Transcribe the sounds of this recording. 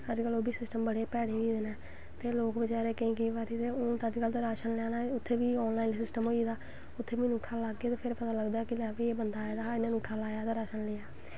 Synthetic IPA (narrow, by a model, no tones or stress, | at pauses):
əd͡ʒkəloːbʱiːsɪsʈəmbəɽeːpɛːɽeːʋiːd̪enaː | t̪eːloːkbət͡ʃaːɾeːkɪĩːkəiːbaːɾiːt̪eːʊt̪aːd͡ʒkəlt̪aːɾaːʃənlɛːnaːʊt̪ʰːeːbiːɔːnlaːinsɪsʈəmɦoːiːd̪aː | ʊt̪ʰːeːbiːnuːʈʰaːlaːɡeːt̪eːpʰɪɾpət̪aːləɡd̪aːkɪlɛːʋeːeːbənd̪aːed̪aːɪnaːnuːʈʰaːlaːjaːt̪aːɾaːʃənlɪaː